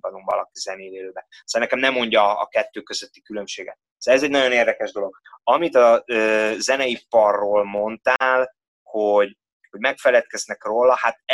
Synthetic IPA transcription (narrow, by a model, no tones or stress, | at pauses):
bɒd̪umvɒ̰lɒkizɛneːleːløːbɛ | sɛnɛkɛmnɛmːo̞ɲɟɒ̰ːkɛt̪ːøːkø̞zøt̪ːikylø̞mʃeːɡɛ̰t̪ | sɛzɛɟnɒɟo̞neːrd̪ɛkɛʒd̪o̞lo̞ɡ | ɒmit̪ɒøːzɛnɛjipɒrːoːlmo̞nt̪aːl | hoɟ | ho̞ɟmɛkfɛlɛt̪̚kɛznɛkroːlːɒhat̪